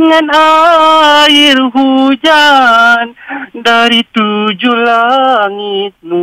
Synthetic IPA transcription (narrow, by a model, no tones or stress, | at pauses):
ŋana | irɦud͡ʒandaɾit̪ud͡ʒuhlaŋit̪̚nu